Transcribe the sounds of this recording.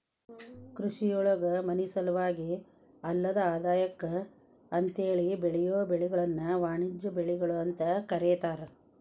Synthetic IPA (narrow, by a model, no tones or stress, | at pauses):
kɾuʂijoːɭɐɡɐmɐnisɐlɐʋaːɡi | ɐlːɐd̪ɐaːd̪aːjɐkːɐ | ɐnt̪eːɭibeɭɛjoːbeɭiɡɐɭɐnːɐʋaːɳid͡ʒːɐbeɭiɡɐɭuɐnt̪ɐkɐɾɛːt̪aːɾe